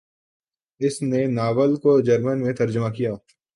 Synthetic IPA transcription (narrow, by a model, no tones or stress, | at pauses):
ɪsnenaːʋəlkod͡ʒɐɾmənmẽt̪ɐɾd͡ʒəmakijaː